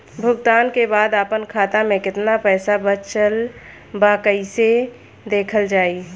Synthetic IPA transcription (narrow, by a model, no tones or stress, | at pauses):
bʱʊɡt̪aːnkebaːd̪aːpənkʰaːt̪amẽkɪt̪napɛːsabət͡ʃəl | baːkəise | d̪eːkʰəld͡ʒaːiː